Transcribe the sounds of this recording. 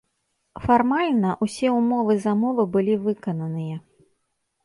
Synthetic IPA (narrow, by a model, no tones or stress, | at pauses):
farmalʲnɐʔusʲɛumɔvɨzɐmɔvɨbɨlʲivɨkɐnɐnɨjɐ